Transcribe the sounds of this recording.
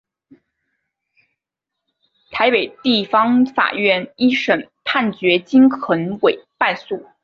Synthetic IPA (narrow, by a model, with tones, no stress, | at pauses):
t̪ʰa˧˥ɪpe˨˩ɪt̪i˥˩fɑ˥ŋfa̰˨˩ɥɛ˥˩ni˥ʂə˨˩npʰa˥˩nt͡ɕɥɛ˧˥t͡ɕi˥nxʰə˧˥nwe˨˩˦ɪpa˥˧ɪsu˥˩